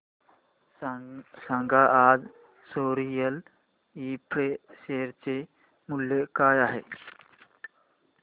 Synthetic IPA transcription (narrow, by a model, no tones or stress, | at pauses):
sãŋɡʱaʔad͡z | soɾijəl | ipɾeʃeɾt͡se | muljəkaːjaɦe